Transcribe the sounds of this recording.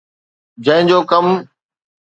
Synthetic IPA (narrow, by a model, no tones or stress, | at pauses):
d͡ʑə̃ɦɪ̃d͡ʑoːkəm